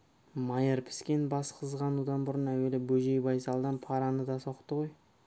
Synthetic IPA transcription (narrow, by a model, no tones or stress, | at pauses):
mɑjəɾpʰɪ̥skʲe̞nbɑsqʰəzʁɑnud̪ɑnbʊɾənæwe̞lɪbɵʒe̞jbɑjsɑlˠd̪ɑnpʰɑɾɑnəd̪ɑsoqt̪əʁo̞j